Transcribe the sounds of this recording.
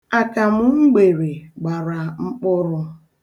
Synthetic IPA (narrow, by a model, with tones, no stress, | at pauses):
a˨ka˨mʊ˦ŋ͡m̩˦ɡ͡be˨ɾe˨ɡ͡ba˨ɾa˨ŋ͡m̩˦k͡pʊ˦ɾʊ˦